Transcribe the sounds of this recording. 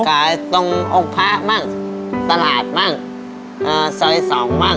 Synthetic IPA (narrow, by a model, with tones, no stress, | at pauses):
kaː˨˩˦jt̪o˧ŋʔo˧ŋpʰaː˧˥ʔmaː˥˩ŋt̪a˧laː˨˩t̪̚maː˥˩ŋ | ʔaː˧˩sə˧jsɑː˨˦ŋmaː˥˩